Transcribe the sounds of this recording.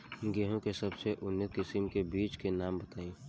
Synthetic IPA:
ɡeːɦõkesɐbseʔʊnːɪt̪kɪsɪmkebiːt͡ʃkenaːmbɐt̪aːĩ

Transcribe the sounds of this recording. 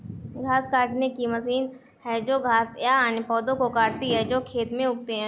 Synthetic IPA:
ɡʱaːskaːʈnekimɐsiːn | ɦɛd͡ʒoːɡʱaːsjaːnepɔːd̪õkokaːɾt̪iɦɛd͡ʒoːkʰeːt̪mẽʊk̚t̪eɦɛ̃ː

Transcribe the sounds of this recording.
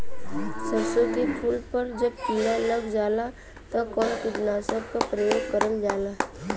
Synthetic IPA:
səbsod̪ipʰuːlpəɾd͡ʒəb̚kilaləɡd͡ʒaːla | t̪ɐkɔːnkɪd̪naːsəbkapɾəjoːɡkəɾəld͡ʒaːla

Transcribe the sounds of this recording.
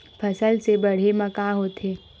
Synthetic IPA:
pʰɐsəlsebɐɽ̤emɐkaɦoːt̪ʰeː

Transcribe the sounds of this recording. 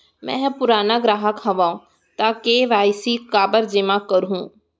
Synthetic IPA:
mɛ̰̃ːpʊɾaːnaɡɾaːɦəkɦɐʋaːũ | t̪aːkeʋaːɪsikaːbəɾd͡ʒɪmãkəɾɦũː

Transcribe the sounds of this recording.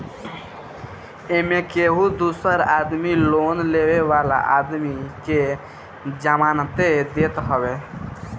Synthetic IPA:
emẽkeːɦud̪uːsəɾaːd̪miloːnleːʋeʋaːla̰ʔa̰ːd̪mike | d͡ʒamaːnət̪ed̪eːt̪ɦəʋeː

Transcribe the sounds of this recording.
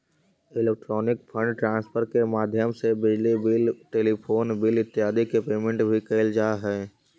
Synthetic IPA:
ɪleːk̚ʈɾɔːnɪkpʰə̃ɳɖʈɾãːnspʰəɾkemaːd̪ʱjəmsebɪd͡ʒlibɪlʈeːlipʰoːnbɪlɪt̪ːjaːd̪ikepeːmẽɳʈbʱikeːld͡ʒaːɦɛː

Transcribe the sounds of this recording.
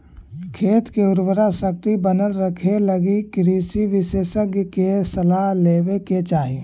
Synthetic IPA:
kʰeːt̪keʊɾbəɾasək̚t̪ibənəlɾəkʰeləɡikɾiːsiʋɪseːʃəkkesəlaɦleːweket͡ʃaːɦi

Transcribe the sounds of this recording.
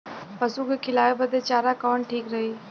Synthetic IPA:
pɐsũkekʰɪlaːebɐd̪et͡ʃaːɾakɔːɳʈʰiːkɾɐɦiː

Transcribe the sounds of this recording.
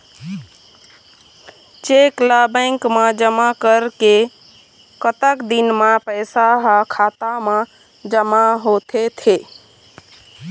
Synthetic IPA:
t͡ʃeklabə̃ɪŋkmãd͡ʒəmakəɾke | kət̪əkd̪inmãpəɪsaɦakʰat̪amã | d͡ʒəmaɦot̪ʰet̪ʰe

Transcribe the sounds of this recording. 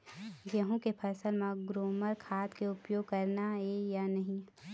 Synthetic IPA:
ɡeɦũkepʰɐsəlmãɡɾoːməɾkʰaːt̪keʊpjoːɡ̚kɐɾnaɦejanɐɦĩ

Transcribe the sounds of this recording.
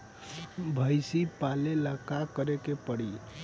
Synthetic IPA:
bʱəjsipaleləkakəɾekepəɽi

